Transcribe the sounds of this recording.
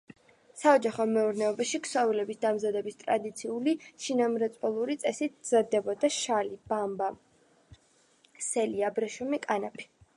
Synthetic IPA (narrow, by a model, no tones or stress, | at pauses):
saɔd͡ʒaχɔmɛuɾnɛɔbaʃikʰsavilɛbisd̪amzad̪ɛbist̪ʼɾa̰d̪it̪sʰiuliʃinamɾɛt̪sʼwɛlˠuɾit̪sʼɛsit̪ʰz̥ad̪ɛbɔd̪aʃalib̥amba | sɛliabɾɛʃɔmikʼanapʰi̥